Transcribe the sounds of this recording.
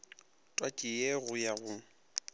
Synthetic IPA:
tʼwakʼɪjeɣʊjaɣʊ

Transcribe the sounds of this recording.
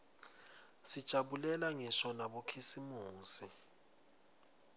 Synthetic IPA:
sid̥ʒ̥ʼʱaɓulɛlaŋisɔnaɓokʰisimuːsi

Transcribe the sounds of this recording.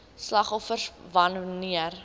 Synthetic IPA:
slɐχɔfərsvɐnniər

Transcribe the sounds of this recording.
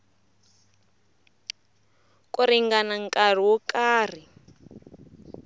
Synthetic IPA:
kʼuɾiŋɡanaŋkʼar̤iwɔkʼaːr̤i

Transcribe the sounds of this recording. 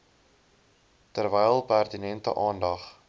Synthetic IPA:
tərvɛjlˠpærtinɛntə̰ʔɑːndɐχ

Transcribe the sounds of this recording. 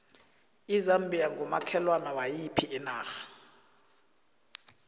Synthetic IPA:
izambʱijaŋɡʱɔma̰kʰɛlwanawajipʰiɛnaːxḁ

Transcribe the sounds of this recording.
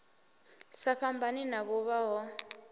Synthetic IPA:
saɸʰambʱaninaβɔβaɦɔ

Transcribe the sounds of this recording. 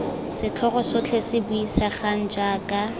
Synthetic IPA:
sɪt͡ɬʰɔχɔsʊt͡ɬʰesɪbʊisaχan̩d͡ʒaːkʼa

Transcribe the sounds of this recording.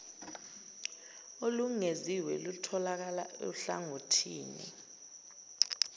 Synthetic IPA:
oluŋeziwɛ̰lutʰɔlak̬ala̰ḛɬaŋotʰiːnḭ

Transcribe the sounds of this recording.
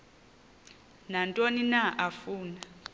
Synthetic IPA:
nantʼoninaʔafuːna

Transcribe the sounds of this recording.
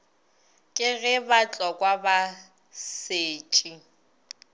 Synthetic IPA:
kʼɪɣɛbat͡ɬʼɔkʼwaba | seːt͡ʃʼi

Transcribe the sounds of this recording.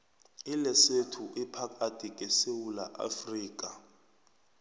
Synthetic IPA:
ilɛsetʰuʔipʰakʰʼad̥ʱikʼɛsewulaʔa̰friːkʼa

